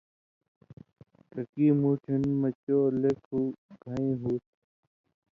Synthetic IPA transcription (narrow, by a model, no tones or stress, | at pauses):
kəkiːmuːʈʰinmɐt͡ɕoːlekʰuːɡʱãĩːɦuːt̪̚